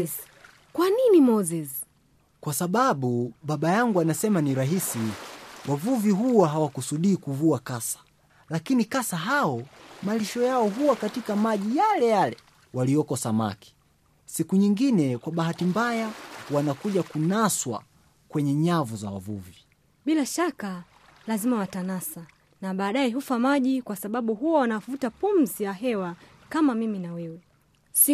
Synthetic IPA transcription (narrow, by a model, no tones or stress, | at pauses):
kwaninimɔzɛz | kwasaɓaɓuɓaɓajaŋɡuanasɛmaniɾaɦisiwʔavuviɦuwaɦawakusuɗiːkuvuakasḁ | lakinikasaɦaɔmaliʃɔjaɔɦuwakatikamaʄijalɛjalɛ | walijɔkɔsama̰ki̥ | sikuɲiŋɡinɛkwaɓaɦatimbajawanakuʄakunaswa̰ | kwɛɲɛɲavuza̰wa̰vṵvi | ɓilaʃaka | lazimawatanasa | naɓaːɗaɛɦufamaʄikwasaɓaɓuɦuwawanavutapum̩zijaɦɛwa | kamamiminawɛwɛ | si